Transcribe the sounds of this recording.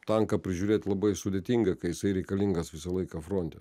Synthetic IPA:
t̪ɐŋkɐpʲɾʲɪʒʲuːɾʲeːt̪ʲlˠɐbɐɪsʊd̪ʲeːt̪ʲiːŋɡɐkɐjɪsɐɪɾʲɛɪkɐlʲiŋɡɐsʋʲɪsɐlˠɐɪkɐfɾoːnʲt̪ʲɛ

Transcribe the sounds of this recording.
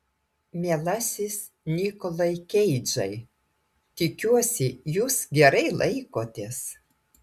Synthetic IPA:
mʲɛlˠɐsʲɪs | nʲiːkɔlˠɐɪkʲɛɪd͡ʒɐɪ | t̪ʲɪkʲuɔsʲɪjuːsɡʲɛɾɐɪlˠʔɐɪkoːt̪ʲeːs

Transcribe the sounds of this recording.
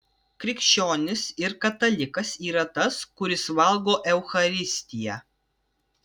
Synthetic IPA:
kɾʲɪkʃʲt͡ʃʲoːnʲɪsɪɾkɐt̪ɐlʲɪkɐsiːɾɐt̪ɐskʊɾʲɪsʋɐlˠɡoːʔɛʊxɐɾʲɪsʲt̪ʲɪjɛ

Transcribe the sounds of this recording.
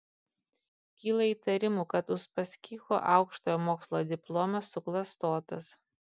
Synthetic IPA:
kʲiːlˠɐiːt̪ɐɾʲɪmuːkɐt̪ʊʃpɐsʲkʲiːxo̰ːʔɑˑʊkʃt̪oːjoːmoːkslˠoːd̪ʲɪplˠoːmɐsːʊklˠɐst̪oːt̪ɐs

